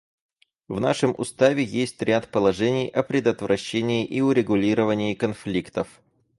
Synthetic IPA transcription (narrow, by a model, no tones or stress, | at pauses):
vna̰ʂɨmʔʊ̰st̪avʲɪjesʲtʲɾʲat̪pəlˠɐʐɛnʲɪjʔɐpɾʲɪd̪ət̪vɾɐɕːenʲɪːʔiʊɾʲɪɡʊlʲiɾəvənʲɪːkɐnflʲikt̪əf